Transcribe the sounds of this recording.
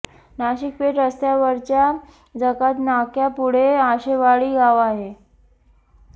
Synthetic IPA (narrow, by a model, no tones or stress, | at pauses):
naɕik̚peʈəst̪jaʋəɾt͡ɕja | d͡zəkat̪nakjapuɽ̤eaɕeʋaɭiːɡaʋaɦe